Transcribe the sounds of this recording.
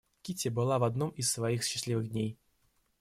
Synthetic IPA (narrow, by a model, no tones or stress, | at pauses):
kʲitʲɪbɨlˠavɐd̪nɔmisːvɐixɕɪsʲlʲivɨɣdʲnʲej